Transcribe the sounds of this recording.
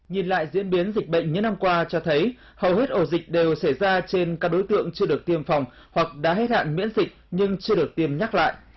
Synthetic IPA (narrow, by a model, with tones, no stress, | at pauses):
ɲi˨˩nla̰ː˧˨jzḭ˧˥ənɓi˨˦ənzï˨˩k̟̚ɓə̰˧˨jŋ̟ɲɨ̰˧˥ŋna˧mkwaː˧t͡ɕɔ˧t̪ʰə˨˦j | hə˨˩whe˦˥t̚ʔo˧˩zï˨˩k̟̚ɗe˨˩wsə˧˩jzaː˧t͡ɕe˧nkaː˦˥k̚ɗo˨˦jt̪ɨ̰˧˨əŋt͡ɕɨ˧əɗək̚t̪i˧əmfa˨˩wŋ͡m | hwa˨˩k̚ɗa̰ː˧˥ɦe˦˥t̚ha̰ː˧˨nmḭ˧˥ənzï˨˩k̟̚ɲɨ˧ŋt͡ɕɨ˧əɗɨ˨˩ək̚t̪i˧əmɲa˦˥k̚la̰ː˧˨jʔ